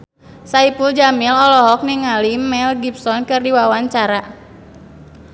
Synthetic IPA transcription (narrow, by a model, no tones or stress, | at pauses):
saipuld͡ʒamilɔlɔɦɔk̚niŋalimɛlɡip̚sɔnkɨrdiwawaɲt͡ʃaɾa